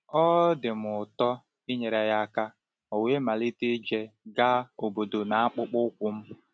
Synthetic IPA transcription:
ɔ˦dɪ˨m˨ʊ˨tɔ˦ | i˦ɲe˨ɾa˨ja˦˨ka˦ | o˨we˦ma˨li˦tɪ˦d͡ʒe˦ɡa˦o˨bo˨do˨na˨a˦k͡pʊ˦k͡pʊ˦kʷʊ˦m̩˦

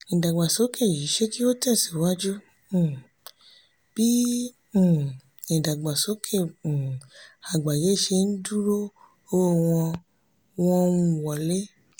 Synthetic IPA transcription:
ĩ˨da˨ɡ͡ba˨so˨˦kʰe˦˨ji˨˦ʃe˦ki˦o˦tɛ˦˨si˨˦wa˦d͡ʒũ˦˨ | b̥ĩ˦˨ | ĩ˨da˨ɡ͡ba˨so˨˦kʰẽ˦˨ | a˨ɡ͡ba˨je˨˦i˦˨ʃe˧n̩˦du˦ɾo˦ | o˧˦˨w̃ɔ̃˧ | w̃ɔ̃˧ũ˧˨wɔ˨le˦

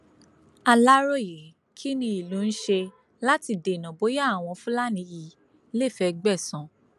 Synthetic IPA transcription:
a˧la˦ɾo˦˨je˨ | kʰi˦nĩ˧i˨lũ˨˦˧n̩˦ʃe˧ | la˦ti˧de˨nã˨bo˨˦ja˦˨w̃ɔ̃˧fũ˦la˦nĩ˧ji˨ | le˦˨fɛ˧ɡ͡bɛ˦˨sɔ̃˨˧

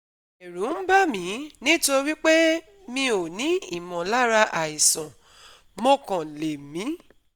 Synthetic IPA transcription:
e˨ɾũ˨˦m̩˦ba˦mĩ˨˦nĩ˦to˧˦wi˦k͡pe˦ | mĩ˧˦o˨nĩ˨˦i˦˨mɔ̃˨la˦ɾa˧ʔa˨i˨sã˨ | mo˧kã˨le˨mĩ˨˦

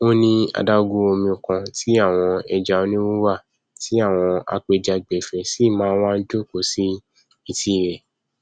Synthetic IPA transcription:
o˦nĩ˧a̰˧da˦˧o˧ɡũ˧˦o˧mĩ˧u˨kã˧tʰi˦a˦˨w̃ɔ̃˧ɛ˧d͡ʒa˧o˧˦nĩ˦wu˦wa˦˨ | ti˨˦a˦˨w̃ɔ̃˧a̰˧k͡pe˧d͡ʒa˧ɡ͡bɛ˨fɛ˨si˦˨mãː˨˦w̃ã˦˧n̩˦d͡ʒo˦˨ko˨si˦ | i˧ti˧˨ɾɛ˨

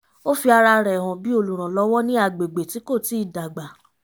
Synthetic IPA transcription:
o˦fi˧a˧ɾa˧ɾɛ˨w̃ɔ̃˨bi˨˦o˧˨lu˨ɾ̃ã˨lɔ˧˦wɔ˦nĩ˦a˦˨ɡ͡be˨ɡ͡be˨ti˨˦ko˦˨ti˨˦i˦˨da˨ɡ͡ba˨

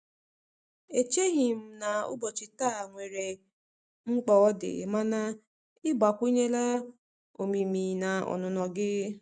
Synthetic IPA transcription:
e˨t͡ʃe˦ɦi˨m̩˦na˨ʊ̰˦bɔ˨t͡ʃɪ˨ta˦˨ŋʷe˨ɾe˨ | ŋ͡m̩˦k͡pɔ˨ɔ˦dɪ̰˨ma˦na˦ | ɪ˦ba˨kʷu˦ɲe˦la˦ | o̰˨mi˨mi˨na˨ɔ̰˨nʊ˨nɔ˨ɡɪ˦

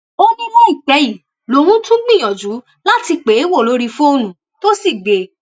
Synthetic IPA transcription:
o˦nĩ˦lɛ˦i˦˨k͡pɛ˨˦ji˨ | lo˧˦ɾ̃ũ˦tũ˦ɡ͡bĩ˦˨j̃ɔ̃˨d͡ʒu˨˦ | la˦ti˧k͡pe˨˦wo˦˨lo˨˦ɾi˧fu˦o˧nũ˨ | to˦si˦˨ɡ͡be˨

